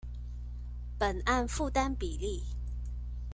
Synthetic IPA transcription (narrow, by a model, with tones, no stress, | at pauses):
pə˨˩na˥˧nfu˥˩t̪a˥npi˨˩li˥˩